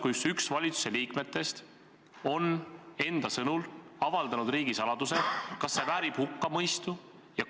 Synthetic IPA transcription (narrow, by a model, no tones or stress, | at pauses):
kujsyksvɑlʲit̪su̥se̞liːkme̞t̪ːˑe̞st̪ | o̞ne̞nd̪̥ɑsɤnulɑvɑld̪ɑnud̪riːɡisɑlɑd̪̥use̞kɑsːe̞væːɾib̥hukːɑmɤjst̪u | jɑ